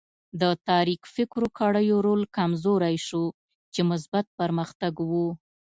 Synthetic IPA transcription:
d̪ət̪ɑɾikfɪkɾokʰaɽəjoɾolkamzoɾajʃo | t͡ʃemʊs̬bat̪̚pəɾməxt̪aɡwu

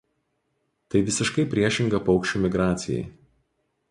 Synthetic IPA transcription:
t̪ɐɪʋʲɪsʲɪʃkɐɪpʲɾʲiɛʃʲɪŋɡɐpɒʊkʃʲt͡ʃʲuːmʲɪɡɾɑːt̪sʲɪjɛ̰ɪ

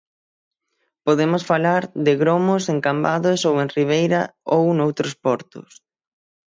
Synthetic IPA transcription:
poðemʊsfalaɾðɪɣɾomʊseŋkambaðʊsowẽŋriβ̞ejɾɐownowt̪ɾʊspɔɾt̪ʊ̰s

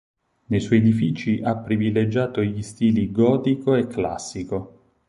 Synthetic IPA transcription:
nejswɔjed̪ifiːt͡ʃiʔapːɾivilːed͡ʒaːt̪oʎist̪iːliɡɔːt̪ikoekːla̰sːiko

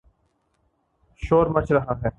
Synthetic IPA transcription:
ʃoːɾmɐt͡ʃɾɐɦaːɦɛː

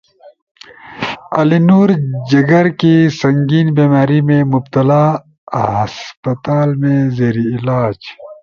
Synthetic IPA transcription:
ɐlinuːɾd͡ʒɐɡɐɾkisɐŋɡiːnbeːmaːɾimẽmub̚t̪ɐlaː | hɐspɐt̪aːlmẽzeːɾiːlaːd͡ʒ

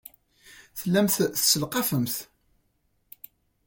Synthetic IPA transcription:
θəlːæmθθsəlqɑfəmθ

